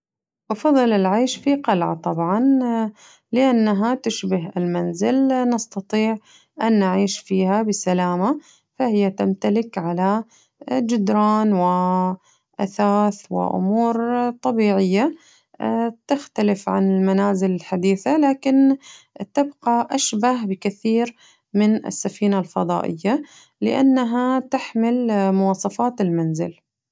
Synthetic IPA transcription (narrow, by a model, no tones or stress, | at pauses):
ʔɑfɑðˤːɨlɪlʕeːʃfiqalʕa̰t̪ˤɑbʕɑn | lɪʔanːaɦat̪ɪʃbɪɦɪlmanzɪlnɑst̪ɑt̪ˤiːʕ | ʔanːaʕiːʃfiːhabɪsalaːma | fahɪjːat̪amt̪alɪkʕala | d͡ʒɪd̪ɾˤɑːnwɪ | ʔaθaːθwɪ̰ʔʊ̰muːɾt̪ˤɑbiːʕɪjːa | t̪ɪxt̪alɪfʕa̰nɪlmanaːzɪlɪlħad̪iːθalaːkɪnt̪ɪbqaʔaʃbaɦbɪkaθiːɾ | mɪnɪ̰sːafiːnalfɑd̪ˤɑ̰ːʔɪ̰jːa | lɪ̰ʔanːaɦat̪ɪħmɪlmʊwɑːsˤɑfɑːt̪ɪlmanzɪ̰l